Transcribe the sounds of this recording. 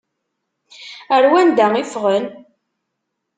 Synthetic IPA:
əɾwænd̪æifʁən

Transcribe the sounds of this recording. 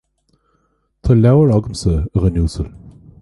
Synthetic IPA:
t̪ʰɔlawəɹɔɡəmsəəʁənjuːsəl

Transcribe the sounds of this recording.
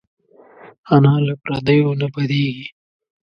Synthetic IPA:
anɑːlapɾɐd̪əjonabɐd̪eːɡi

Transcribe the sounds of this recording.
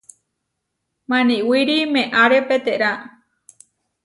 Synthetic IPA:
mãnĩwiɾimẽʔaɾepet̪eʔɾa

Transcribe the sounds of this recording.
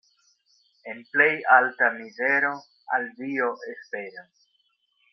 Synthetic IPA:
e̞nple̞jaltamize̞ɾo̞ | a̰ldioʔe̞spe̞ɾans

